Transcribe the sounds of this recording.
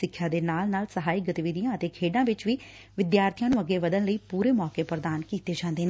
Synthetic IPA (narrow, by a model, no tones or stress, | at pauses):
ɪkʰːjãːd̪eːnaːlnaːlsəɦaːiɡət̪iʋɪd̪ijãːət̪eːkʰeːɖãːʋɪt͡ʃʋiː | ʋɪd̪jaːɾt̪ʰijãːnũːəɡːeːʋəd̪ənləiːpuːɾeːmɔːkeːpəɾd̪aːnkiːt̪eːd͡ʒãːnd̪eːneː